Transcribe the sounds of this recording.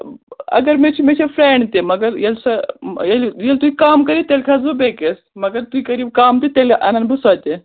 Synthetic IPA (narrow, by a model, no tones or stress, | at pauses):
ɐ̰ɡəɾmet͡ʃʰimet͡ʃʰefɾeɳɖt̪emɐɡəɾjelsɐjeljelt̪uikaːmkɐɾiːt̪elʲkʰazubekesmɐɡəɾt̪uikɐɾiːbkaːmt̪it̪elʔɐ̰nanbɨsat̪e